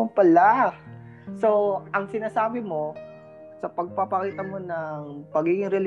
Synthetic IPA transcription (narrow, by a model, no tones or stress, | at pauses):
pɐla | so̞ʔɐŋsɪnaːsaːbɪmo̞ | sɐpɐɡ̚pɐpɐkiːt̪ɐmo̞nɐŋpɐɡiːɡɪŋɾɛl